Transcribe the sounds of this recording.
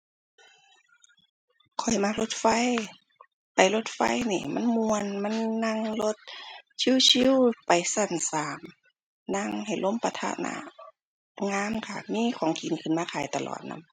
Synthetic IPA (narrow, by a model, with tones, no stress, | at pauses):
kʰɔ˨˩jma˧˨lo˧˦t̪̚fa˧˥˨j | pa˨˩jlo˧˦t̪̚fa̰˧˥˨jniː˧˩ma̰˧˥˨nmu˧ənma˧˥˨nːa˧˥ŋlo˧t̪̚t͡ɕʰi˧˥˨wt͡ɕʰi˧˥˨wpa˨jsa˧˩nsaː˨˩m | na˧˥˨ŋha˨˩jlo˧˥˨mpa˧t̪ʰa̰˧na̰˧˥ | ŋaː˧˥˨mkʰa˧˩miː˧˥˨kʰɔː˨˦ŋki˨nkʰɯ˧˩˨nmaː˧kʰaː˨˩jt̪a˧lʔɔ̰ː˨˩t̪̚na̰˧˥m